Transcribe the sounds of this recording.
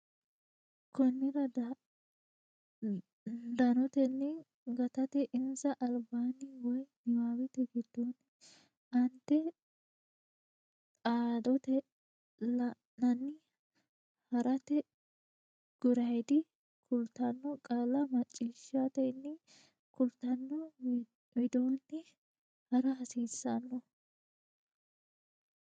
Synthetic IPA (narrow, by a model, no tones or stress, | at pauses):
kɔnːɪɾɐ | d̪ɐnɔt̪ɛnːɪ | ɡɐt̪ɐt̪ɛʔɪnzɐʔɐlbaːnɪwɔjnɪmaːwɪt̪ɛɡɪd̪on | ʔɐnt̪ːɛ | aːd̪ɔt̪ɛ | lɐ | nɐnːɪ | hɐɾɐt̪ɛ | ɡ̥ʊɾɐjd̪ɪ | kʰʊlt̪ɐnːɔkʼalɐmɐt͡ʃʼːiːʃːat̪ɛɪnːɪ | kʊlt̪ɐnːɔ | wɛd̪oːnːɪ | hɐɾɐɦɐsiːsːɐnːɔ